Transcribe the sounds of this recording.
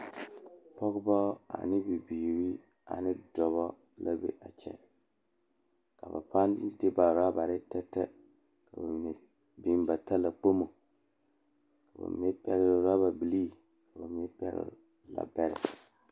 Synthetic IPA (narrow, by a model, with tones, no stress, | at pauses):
pɔ˦kba˦a̰˨nɪ˦bi˨bi˨ɾi˦ | a̰˨nɪ˦dɔ˨βɔ˦ | la˦bḛ˦ʔa˨t͡ʃɛ̰˦ | ka̰˨ba̰˨pa˦ndɪ˦ba˨ɾa˦ba˨ɾɪ˦tɛ˦tːɛ˦ | ka˨b | bi˨mba˨ta˦la˨k͡po˦mo˨ | ka˨ba̰˨m˦ɛ˦pɛ˦ɣɾɪ˦˨ɾa˦ba˨bi˨liː˦˨ | ka˨ba˨m˦ɛ˦pɛ̰˦ɡ̰ɾ | la̰˨bɛ˦ɾɪ̰˨